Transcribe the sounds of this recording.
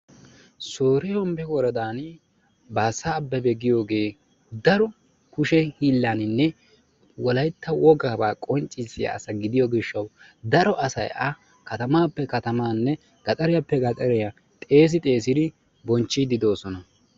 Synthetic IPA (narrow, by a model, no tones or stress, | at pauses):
soːɾɛhɔmbɛwɔɾɐd̪aːn | baːsːaːbːɐbɛɡɪjo̞ːɡe̞ː | d̪ɐɾɔ | kʊʃɛhiːlːaːnɪnːɛ | wɔlɐjt̪ːɐwɔɡaːbaːkʼɔnt͡ʃʼːɪsɪja̰ːsɐɡɪd̪ɪjɔɡɪʃːɐw | d̪ɐɾɔʔɐsɐ̰jɐ | kɐt̪ɐmaːpːɛkɐt̪ɐmaːnːɛ | ɡ̥ɐt̪ʼɐɾɛjapːɛɡɐt̪ʼɐɾɛjɐ | t̪ʼe̞ːs̬ɪt̪ʼe̞ːs̬ɪd̪ɪ | bɔnt͡ʃːɪd̪ɪd̪o̞ːsɔnɐ